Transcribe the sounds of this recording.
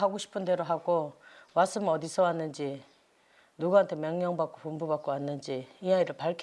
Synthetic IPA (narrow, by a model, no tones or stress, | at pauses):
ɦaɡoɕʰi̥pʰɯnde̞ɾoɦaɡomaɭs͈ɯmʌdisʰʌwanːɯnd͡ʑi | nuɡuɦantʰe̞mjʌŋɲʌŋbak͈opumbubak͈oanːɯnd͡ʑiiaiɾɯɭpaɭkʰ